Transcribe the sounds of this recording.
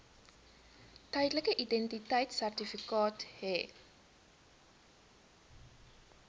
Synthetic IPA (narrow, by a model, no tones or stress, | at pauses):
təjdləkəʔidɛntitəjtsærtifikɑːtɦɛ